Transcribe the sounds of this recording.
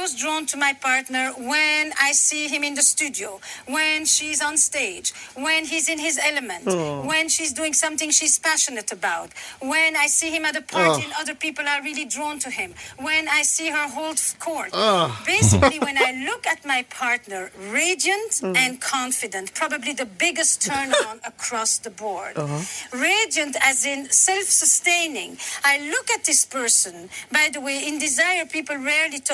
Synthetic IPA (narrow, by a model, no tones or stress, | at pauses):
ɔzdɹɔ̃ntʰumaɪpʰɑɹtnə˞wɨ̃naɪsiɪ̃mɨ̃nðɨstʉdioʊwɨ̃nʃiz̃n̩steɪd͡ʒwɨ̃nizɨ̃nɪzɛlɨmɨ̃ntwɛ̃nʃizduɪ̃ŋsʌ̃mθɪ̃ŋʃiz̥pæʃɨnɨɾɨbaʊt̚wɨ̃najsihɨ̃mɨɾəpʰɑɹɨ̃nʌðə˞pipl̩ˠə˞ɹilˠidɹɔ̃ntʰɨɪ̃mwɨ̃naɪsiɦə˞ɦoʊlˠdkʰɔɹtbeɪsɪkliwɛ̃naɪlʊkɨt̚maɪpʰɑɹtnə˞ɹeɪdiɨ̃ntɨ̃nkʰɑ̃ɱfɨdɨ̃ntpʰɹ̥ɑbəbliðɨbɪɡɨstʰɜ̃˞ñnəkʰɹ̥ɔsðəbɔɹdɹeɪd͡ʒiɨ̃ntɨzɪ̃nsɛlˠfsəstẽɪ̃nɪ̃ŋaɪlʊkɨt̪̚ðɪspʰɜ˞sɨ̃nbaɪðəweɪɪ̃ndɪzaɪə˞pipl̩ˠɹɛɹlitʰ